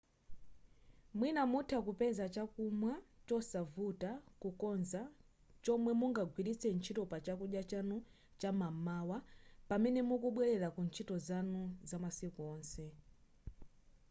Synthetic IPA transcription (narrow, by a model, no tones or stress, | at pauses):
mwinamutʰakupɛzat͡ʃakumwat͡ʃɔsavutakukɔnza | t͡ʃɔmwɛmuŋɡaɡʱwiɾit͡sʰɛnt͡ʃʰitɔpat͡ʃakuɗjat͡ʃanu | t͡ʃamamaːwapamɛnɛmukuɓwɛɾɛɾakunt͡ʃʰitɔzanuzamasikuɔːnsɛ